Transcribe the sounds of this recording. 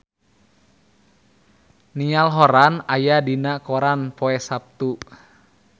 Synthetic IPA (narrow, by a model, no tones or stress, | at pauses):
nialɦɔɾanajadinakɔɾanpɔɛsap̚t̪u